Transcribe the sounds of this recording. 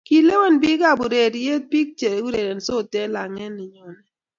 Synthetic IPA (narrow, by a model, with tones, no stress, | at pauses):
ki˨le˦we˦˨nbi˦ka˦˨bu˨ɾe˨dje˦t̚pi˦k̚t͡ʃe˨u˦ɾe˨dɛ˨n˨so˦˨tɛ˦la˨ŋɛ˦nɪ˨ɲɔ˨nɛ˨